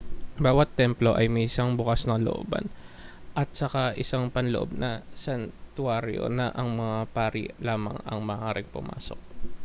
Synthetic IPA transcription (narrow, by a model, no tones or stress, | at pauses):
baːwɐt̪ːɛmplo̞ʔɐjmɐʔɪsaŋbʊkasnɐŋlo̰ʔo̰ːbɐ̰nʔɐt̪̚sɐkaʔɪsaŋpɐnloʔo̰b̚nɐsɐnt̪ʊaːɾjo̰nɐʔɐŋmɐŋapaːɾḭlaːmɐ̰ŋɐ̰ŋmɐːʔaːɾɪŋpʊ̰mʔa̰ːso̰k̚